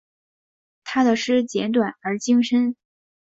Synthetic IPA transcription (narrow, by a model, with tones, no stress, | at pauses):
t̪ʰa˥d̪ə˨ʂɻ̩˥˩t͡ɕjɛ˧˥nt̪wa˨˩nə˞˧˥t͡ɕi˥ŋʂə˥n